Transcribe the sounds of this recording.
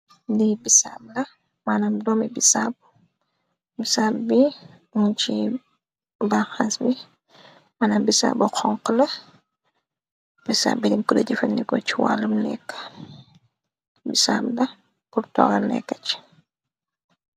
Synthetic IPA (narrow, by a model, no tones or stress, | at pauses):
ndibisab̚lɐ | manɐmdɔmibisab | bisabbi | unt͡ʃḭ | baxansbi | manambisa̰bɔxɔŋqəlɐ | bisa̰bbidimkudɐɟifɐndikɔ̰t͡ʃiwa̰lːumnɛ̰kːə̥ | bisa̰blɐ | purtɔ̰ɡɐnɛ̰kːɐt͡ʃi̥